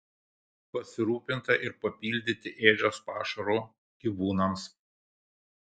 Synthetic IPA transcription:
pɐsʲɪɾuːpʲɪnt̪ɐʔɪɾpɐpʲiːlʲd̪ʲɪt̪ʲɪʔeːd͡ʒʲoːspɑːʃɐɾoː | ɡʲiʋuːnɐms

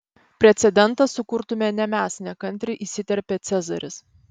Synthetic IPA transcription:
pʲɾʲɛt̪sʲɛd̪ʲɛnt̪ɐsʊkʊɾt̪ʊmʲeːnʲɛmʲæːsʲnʲɛkɐnʲt̪ʲɾʲɪʔisʲɪt̪ʲɛɾʲpʲeːt̪sʲɛzɐ̰ɾʲɪs

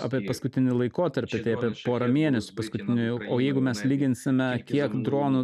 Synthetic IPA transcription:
ɑ̰pʲiɛpɐskʊt̪ʲɪnʲɪlˠɐɪkoːt̪ɐɾʲpʲɪt̪ɐɪɐpʲiɛpoːɾɐmʲeɛnʲɛsʲʊpɐskʊt̪ʲɪnʲʊjoːjɛɪɡʊmʲɛslʲiːɡʲɪnʲsʲɪmʲɛkʲiɛkd̪ɾoːnʊ

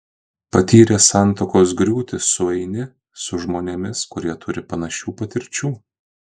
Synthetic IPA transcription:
pɐt̪ʲiːɾʲeːsɑˑnt̪oːkoːs̬ɡɾʲuːt̪ʲɪssʊɛɪnʲɪ | sʊʒmoːnʲemʲɪskʊɾʲiɛt̪ʰʊɾʲɪpɐnɐʃʲuːpɐt̪ʲɪɾʲt͡ʃʲuː

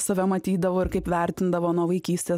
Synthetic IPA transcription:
sɐʋʲɛmɐt̪ʲiːd̪ɐʋoːɪɾkɐɪpʋʲæˑɾʲt̪ʲɪnd̪ɐʋoːnuɔʋɐɪkʲiːsʲt̪ʲeː

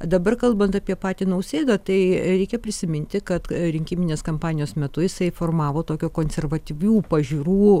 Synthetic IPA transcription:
d̪ɐbɐrkɐlˠbɐnt̪ɐpʲiɛpɑːt̪ʲiːnɐʊsʲeːd̪ɐt̪ɐɪɾʲɛɪkʲɛpʲɾʲɪsʲɪmʲɪnʲt̪ʲɪkɐt̪ɾʲɪŋʲkʲimʲɪnʲeːskɐmpɑːnʲɪjoːsmʲɛt̪ʊjɪsɐɪfoːrmɑːʋoːt̪oːkʲukoːnʲsʲɛrʋɐt̪ʲiʋʲuːpɐʒʲiːɾuː

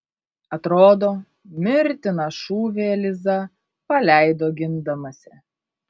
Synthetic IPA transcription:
ɐt̪ɾoːd̪oː | mʲɪɾʲt̪ʲɪnɐʃuːʋʲeːlʲɪzɐ | pɐlʲæˑɪd̪oːɡʲɪnd̪ɐmɐsʲɪ

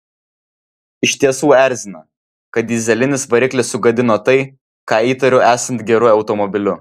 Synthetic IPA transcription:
ɪʃʲt̪ʲiɛsuːæˑɾʲzʲɪnɐ | kɐt̪̚d̪ʲɪzʲɛlʲɪnʲɪsʋɐɾʲɪklʲɪsʊɡɐd̪ʲɪnoːt̪ɐɪ | kɑːiːt̪ɐɾʲʊʔæːsɐnt̪ɡʲɛɾʊɐʊt̪ɔmɔbʲɪlʲʊ

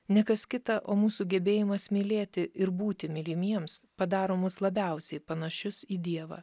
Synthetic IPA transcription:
nʲɛkɐskʲɪt̪ɐʔoːmuːsuːɡʲɛbʲeːjɪmɐsmʲiːlʲeːt̪ʲɪɪɾbuːt̪ʲɪmʲɪlʲɪmʲiɛmspɐd̪ɑːɾoːmʊslˠɐbʲɛˑʊsʲɛɪpɐnɐʃʲʊsiːd̪ʲiɛʋɑ̰ː

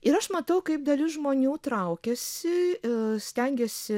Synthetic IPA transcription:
ɪɾɐʃmɐt̪ɐʊkɐɪp̚d̪ɐlʲɪʒmoːnʲuːt̪ɾɐʊkʲɛsʲɪsʲt̪ʲɛŋʲɡʲɛsʲɪ

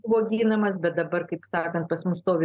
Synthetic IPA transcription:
ʋoːɡʲiːnɐmɐsbʲɛt̪̚d̪ɐbɐɾkɐɪpsɑːkɐnt̪̚pɐsmʊst̪oːʋʲɪ

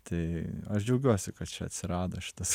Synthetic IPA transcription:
t̪ɐɪɐʃd͡ʒʲɐʊɡʲuɔsʲɪkɐt̪t͡ʃʲɛɐ̰t̪ʲsʲɪɾɑːd̪ɐʃʲɪ̥t̪ɐs

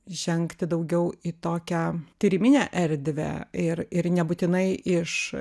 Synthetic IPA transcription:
ʒʲɛŋkt̪ʲɪd̪ɐʊɡʲɛʊit̪oːkʲæt̪ʲiːɾʲɪmʲɪnʲæːʔɛɾʲd̪ʲʋʲæ̰ɪɾɪɾnʲɛbʊt̪ʲɪnɐɪʔɪʃ

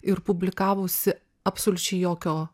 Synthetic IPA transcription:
ɪɾpʊbʲlʲɪkɑːʋoːsʲɪ | ɐpsolʲʊt͡ʃʲɛɪjoːkʲoː

